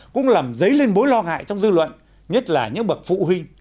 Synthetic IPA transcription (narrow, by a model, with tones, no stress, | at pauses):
kʊ̰˧˥ŋ͡mlaː˨˩mzə˨˦jle˧nɓo˨˦jlɔ˧ŋa̰ː˧˨jt͡ɕɔ˧wŋ͡mzɨ˧lwə̰˧˨n | ɲə˦˥t̚laː˨˩ɲɨ̰˧˥ŋɓə˨˩t̚fṵ˧˨ɦwï˧ŋ̟